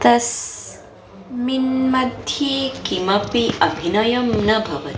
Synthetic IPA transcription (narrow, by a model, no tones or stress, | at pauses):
t̪ɐs | minmɐd̪ʱjikimɐpiʔɐbʱinɐjɐmnɐbʱɐʋɐt̪